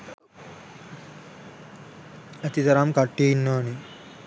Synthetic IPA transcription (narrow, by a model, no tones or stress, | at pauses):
ət̪id̪əɾamkaʈːiinːəni